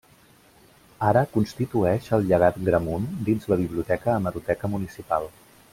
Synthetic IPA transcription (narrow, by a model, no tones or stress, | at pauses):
aɾəkunst̪it̪uɛʃəlˠʎəɣ̞at̪ɡɾəmund̪inzləβiβ̞liut̪ɛkəːməɾut̪ɛkəmunisipalˠ